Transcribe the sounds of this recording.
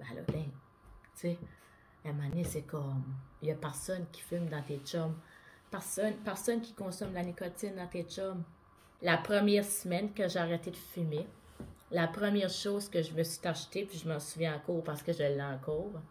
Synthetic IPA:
ba̰lɔ̰d̪ɛ̃ | t͡se | amɔãd̪nesɛkɔmjapɛʁsɔnkʲi̥fɪlmd̪ɑ̃t̪et͡ʃɔm | pɛʁsɔnpɛʁsɔnkʲi̥kɔ̃sɔmlanikɔt͡sɪnd̪ɑ̃t̪et͡ʃɔm | lapʁəmjɛːʁsəmɛnkʲəʒeaʁɛt̪ed̪əfyme | lapʁəmjɛːʁʃɔzkəʒəməsɥi̥t̪aʁʒt̪epiʒəmɑ̃suvjɛ̃ɑ̃kuːʁpaʁsə̥kəʒəlːɛɑ̃ːkuːʁ

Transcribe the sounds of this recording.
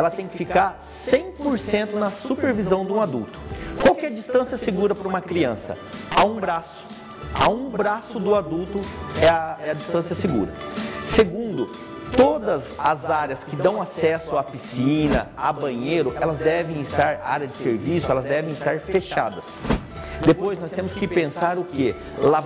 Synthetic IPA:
ɛlɐt̪ẽj̃kɪfikaɾ | sẽj̃poɾsẽnt̪ʊnɐsupeɾvizɐ̃w̃d̪ɪũad̪ṵwt̪ʊ̥kwawkɪɛɾd͡ʒist̪ɐ̃siɐseɡuɾɐpɾɐũmɐkɾiɐ̃sɐ̰ | aũbɾasʊ̥ | a̰ũbɾasʊd̪ʊad̪uwt̪ʊɛɛɐd͡ʒist̪ɐ̃siɐseɡṵɾɐ̰seɡũnd̪ʊ | t̪od̪ɐzɐzaɾjɐskɪd̪ɐ̃w̃asɛsʊapisĩnɐ̰a̰bɐ̃ɲejɾʊʔɛlɐzd̪ɛvẽj̃ɪst̪aɾa̰ɾjɐd͡ʒɪseɾvisʊɛlɐzd̪ɛvẽj̃ɪst̪aɾfeʃa̰d̪ɐs | d̪epojznɔst̪ẽmʊskɪpẽsaɾʊke | la

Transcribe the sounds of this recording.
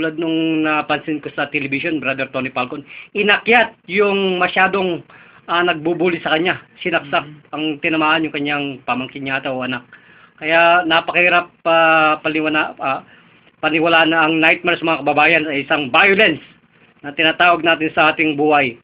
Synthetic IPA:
ulad̪̚noŋnɐpɐnsɪnkosɐt̪ɛlɛbɪʃonbɾad̪ɛɾt̪o̞nɪpalkonʔɪnɐkjat̪̚jʊŋmɐʃaːd̪o̞ŋ | ɐnɐɡ̚bubuːlɪsɐkɐɲasɪnɐk̚sak̚ɐŋt̪ɪnɐmaːhɐnjʊŋkɐɲːaŋpamɐŋkɪɲɲaːt̪ɐʔoʔɐnak̚ː | ɐjanɐpɐkɐhiɾɐpaːɐnɪwana | pɐnɪwɐlaːɐnɐɐŋnajt̪̚maɾsɐmɐŋakɐbɐbaːjɐnsɐʔɪsaŋbajolɛns | nɐt̪ɪnaːt̪aːwɐɡ̚naːt̪ɪnsɐʔaːt̪ɪŋbuːhɐj

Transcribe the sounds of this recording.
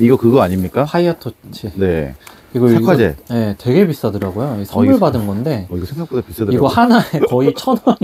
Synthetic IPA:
iɡʌkɯɡʌaɲimɲik͈apʰaiatʰot͡ɕʰine̞ | iɡʌakʰad͡ʑeje̞twe̞ɡe̞pis͈ʌdɯɾaɡojoisʰʌʌɯɭbadɯnɡʌnde̞iɡʌsʰeŋɡak͈udapis͈ʌdɯiɡʌhanaekʌit͡ɕʰʌnʌ

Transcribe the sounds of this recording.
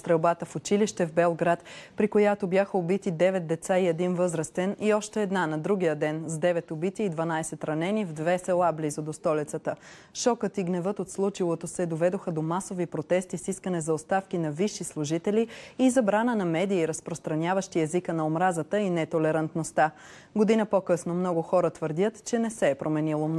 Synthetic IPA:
st̪ɾɛwbat̪əfʊt͡ʃiliʃt̪ɛvbɛlˠɡɾat̪pɾikojat̪obʲjaxəobit̪id̪ɛvɛt̪̚d̪ɛt̪saiɛd̪invɤzɾəst̪ɛniɔʃt̪ɛɛd̪nanɐd̪ɾuɡijəd̪ɛnzd̪ɛvɛt̪obit̪iːd̪vɐnaisɛt̪ɾɐnɛnivd̪vɛsɛlˠablizod̪ost̪ɔlit̪sət̪ə | ʃɔkət̪iɡnɛvɤt̪ot̪slˠut͡ʃilˠot̪osɛd̪ovɛd̪oxəd̪omasovipɾot̪ɛst̪isiskənɛzɐost̪afk̟inɐviʃːislˠuʒit̪ɛliizɐbɾanənɐmɛd̪iːɾəspɾost̪ɾɐnʲjavəʃt̪iɛzikənɐomɾazət̪əinɛt̪olɛɾɐnt̪nost̪a | ɡod̪inəpokɤsnomnɔɡʊxɔɾət̪vəɾd̪ʲət̪t͡ʃɛnɛsɛːpɾʔomɛnilˠom

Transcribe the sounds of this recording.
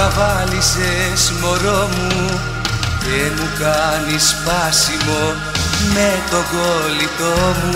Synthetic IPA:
ɐvɐlisesmoɾomu | ðemukanispasimo̞ | met̪o̞ɡolit̪omu

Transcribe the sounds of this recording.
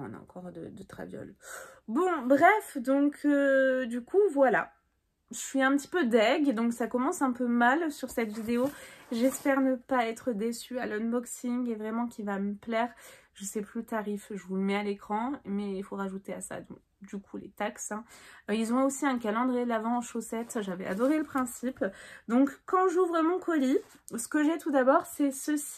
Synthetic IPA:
ɔ̰̃na̰ɑ̰̃kɔʁd̪ə̰d̪ət̪χa̰vjɔ̰lbɔ̃bʁɛfd̪ɔ̃kʰød̪ykʰuvwala̰ | ʒəʃɥiɛ̃pət̪i̥pød̪ɛɡd̪ɔ̃ksakɔmɑ̃sɛ̃pømalsyʁsɛt̪vid̪eoʒɛspɛʁnəpaɛt̪χəd̪esyalɔnbɔksiŋɡevʁɛmɑ̃kʲivaməplɛːʁʒ̥əsɛplyt̪aʁifʒəvulmɛalekχɑ̃mɛilfoʁaʒut̪ea̰sa̰d̪ɔ̰̃k | d̪ykʰulḛt̪aksɛ̃ilzɔ̃osiɛ̃k̬alɑ̃d̪ʁielavɑ̃ɑ̃ʃosɛt̪ʒavɛ̰a̰d̪ɔʁeləpχɛ̃sipd̪ɔ̃kːɑ̃ʒuvʁəmɔ̃kʰɔli | sə̥kəʒɛt̪ud̪abɔʁsɛsəsi̥

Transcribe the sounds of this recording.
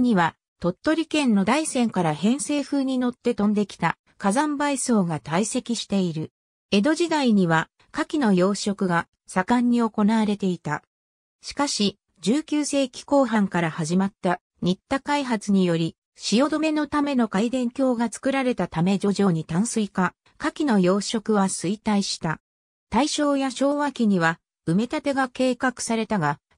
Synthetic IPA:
ɲ̟iβa | t̪o̞t̪ːo̞ɾʲikẽ̞nːo̞d̪aisẽ̞ŋkaɾahẽ̞ɰ̃se̞ːɸɯ̟ːɲ̟ino̞t̪ːe̞t̪õ̞nd̪e̞kʲi̥t̪a | kazãmbaiso̞ːɡat̪aise̞kʲiɕi̥t̪e̞iɾɯ̟ | e̞d̪o̞ʑid̪aiɲ̟iβa | kakʲino̞jo̞ːɕo̞kɯ̟ɡa | sakãɲ̟ːio̞ko̞naβaɾe̞t̪e̞it̪a | ɕi̥kaɕi | d͡ʑɨːkʲɨːse̞ːkʲi̥ko̞ːɦãŋkaɾahaʑimat̪ːa | ɲ̟it̪ːakaiɦat͡sɨɲ̟ijo̞ɾʲi | ɕijo̞d̪o̞me̞no̞t̪ame̞no̞kaid̪ẽ̞ŋkʲo̞ːɡat͡sɨ̥kɯ̟ɾaɾe̞t̪at̪ame̞d͡ʑo̞ʑo̞ːɲ̟it̪ãɰ̃sɨika | kakʲino̞jo̞ːɕo̞kɯ̟βasɨit̪aiɕi̥t̪a | t̪aiɕo̞ːjaɕo̞ːβakʲiɲ̟iβa | ɯ̟me̞t̪at̪e̞ɡake̞ːkakɯ̟̥saɾe̞t̪aɡa

